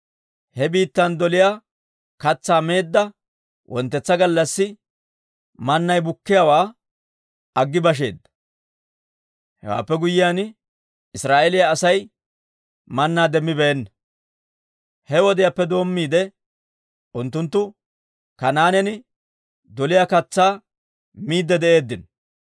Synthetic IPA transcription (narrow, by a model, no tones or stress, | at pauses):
hɛbiːt̪ːɐnd̪ɔlɪja | kɐt͡sːaːme̞ːd̪ːɐ | wʔɔ̰nt̪ːɛt͡sːɐɡɐlːɐsːɪ | mɐnːɐjbʊkːɪjawaː | ɐɡːɪbɐʃ̬e̞̰ːd̪ːɐ̥ | hɛ̰wa̰ːpːɛɡʊjɪjaːn | ɪsɾaːʔelɪjaːsɐj | mɐnːaːd̪ɛmːɪbɛɛnːɐ | hɛwɔd̪ɪjapːɛd̪o̞ːmːiːd̪ɛ | ʔʊnt̪ːʊnt̪ːʊ | kɐnaːnɛnɪ | d̪ɔlɪjakɐt͡sːaː | miːd̪ːɛd̪ɛʔe̞ːd̪ːɪn